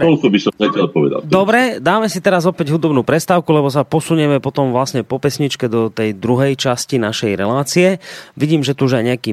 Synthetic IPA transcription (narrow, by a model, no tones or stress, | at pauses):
ɛɔlkɔbisɔmɛtɛɔpɔʋɛ̰d̪a̰ld̪ɔbɾɛd̪aːmɛsit̪ɛɾazɔpɛɟɦud̪ɔbnuːpɾɛst̪aːʊkulɛbɔs̬apɔsuɲɛmɛpɔt̪ɔmʋlasɲɛpɔpɛsɲit͡ʃkɛd̪ɔt̪ɛjd̪ɾuɦɛjt͡ʃascinaʃɛjɾɛlaːt͡siɛʋiɟiːmʒɛt̪uuʒajɲɛakiː